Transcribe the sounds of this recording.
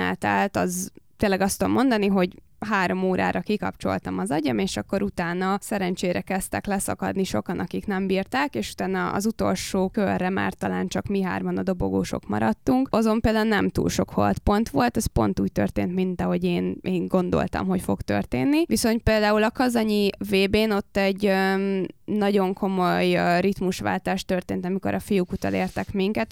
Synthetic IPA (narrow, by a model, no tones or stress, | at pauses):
ɛ̰lt̪ɛ̰lt̪ɒzt̪eːnlːɛɡɒst̪ud̪omːo̞nd̪ɒniɦo̞ɟ | ɦaːɾo̞moːɾa̰ːɾʔɒkikɒ̰pt͡ʃo̞̰lt̪ɒmɒzɒɟɒmeːʃɒkːo̞ɾut̪aːnɒsɛɾɛnt͡ʃeːɾɛkɛst̪ɛklɛsɒ̰kɒ̰d̪niʃo̞kɒnɒkiknɛmbiːrt̪aːkeːʃu̥t̪aːnɒʔɒ̰zut̪o̞̰lʃoːkørːɛma̰ːrt̪ɒlaːnt͡ʃɒkmiɦa̰ːrmɒnɒd̪o̞bo̞̰ɡoːʃo̞̰kmɒ̰ɾɒt̪ːuŋkɒzo̞mpeːld̪aːulnɛmt̪ṵːlʃo̞kho̰lt̪po̞nt̪ʋo̞lt̪ɛspo̞̰nt̪uːc̚t̪ø̰rt̪eːnt̪mint̪ɒɦo̞ɟeːnʔeːŋɡo̞nd̪o̞̰lt̪ɒ̰mɦo̞cfo̞ɡt̪ø̰rt̪eːnːiʋiso̞nt̪̚peːld̪aːulɒkɒzɒɲiveːbeːno̞t̪ːɛɟø | nɒɟo̞ŋkʰo̞mo̞jrit̪muʃʋa̰ːlt̪aːʃt̪ørt̪eːnt̪ɒmiko̞̰ɾʔɒfijukut̪ɒ̰leːrt̪ɛkmiŋkɛt̪